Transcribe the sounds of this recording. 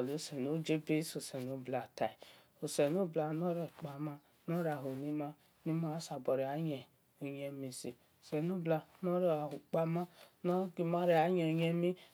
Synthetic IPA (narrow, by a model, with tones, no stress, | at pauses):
ɔ˨lo˨˦sɛ˨no˨˦d͡ʒe˦be˦so˨sɛ˨no˦bla˨ta˨i˨ | o˨sɛ˨no˦bla˧nɔ˦ɾɛ˨k͡pa˨ma˦ | nɔ˦ɾa˨ɦo˨ni˦ma˦ | ni˦ma˦sa˨bɔ˨ɾe˨a˨˦ɲɛ˨ | o˨ɲɛ˧mi˧si˨ | o˨sɛ˨no˦bla˧nɔ˦ɾa˨hu˨k͡pa˧ma˦nɔ˦ɡi˧ma˦ɾe˦a˨˦ɲɛ˧o˧ɲɛ˧mi˦